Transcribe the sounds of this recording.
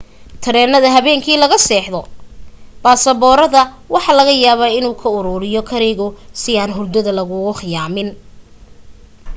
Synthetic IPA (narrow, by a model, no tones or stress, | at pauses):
t̪ʰɐɾɛːnːɐðɐɦɐβɛːŋkʰiːlɐɣɐsɛːħðɔ | b̥aːsɐβɔːɾɐðɐ | wɑħɑlɐɣɐjaːβaːɪnuːkʰɐʊɾuːɾɪjɔkʰɐɾɛjɣʊsɪaːnɦʊrd̪ɐðɐlɐɣʊɣʊχɪjaːmɪn